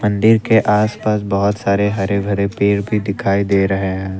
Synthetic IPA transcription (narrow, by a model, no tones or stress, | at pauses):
mɐ̃nd̪ɪɾkeʔaːspaːsbɐɦʊt̪saːɾeɦɐɾeɡʱɐɾepeːɾbʱid̪ɪkʰaːid̪eːɾɐɦeɦɛ̃ː